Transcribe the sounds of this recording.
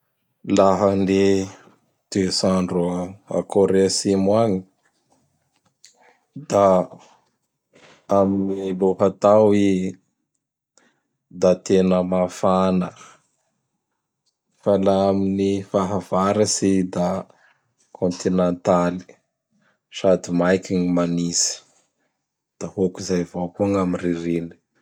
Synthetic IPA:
laɦənde | d̪̥esaɳɖ͡ʐa̰koɾesimwaɲi | d̪a | aminiloɦat̪awi | d̪at̪enəmafanə | falaaminifaɦavaɾəsid̪a | kʰõnt̪inent̪ali̥ | sad̪imajkʲiŋimanizə̥ | d̪̥ahokizajvokuŋamiriɾini̥

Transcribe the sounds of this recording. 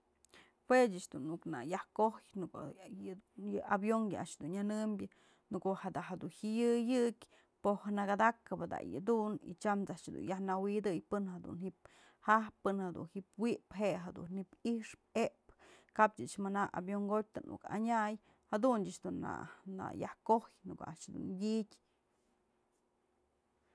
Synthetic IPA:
hwed͡ʒɨt͡ʃd̪unːuknajahkohjnuk | jɨabjoŋjɨaʔʂd̪unanɨmbʲjɨ | nukoʔhad̪aʔɦad̪unhijɨjɨkʲ | pohanaɡad̪akɨbɨd̪a̰jɨ̰d̪unḭt͡ʃamt͡saʔʂd̪ṵnjahnawid̪ɨjpɨnhad̪ṵnhip̚ | hahpːɨnhad̪ṵnhipwiʔpɦeʔɦad̪ṵnipiʂp̚eʔpkab̚t͡ʃɨt͡ʃmanaʔa̰bjoŋɡot̚t̪ɨnʔṵka̰ɲaj | had̪undɨʔt͡ʃd̪unːa̰na̰jahkojnɨkoaʔʂd̪ṵnjitʲ

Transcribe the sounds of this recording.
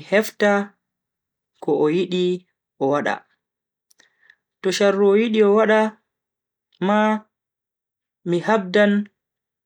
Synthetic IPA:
hɛfta | kɔʔɔjiɗi | ʔɔwaɗa̰ | tɔʃarːuɔjiɗiɔwaɗa | ma | mihab̚dan

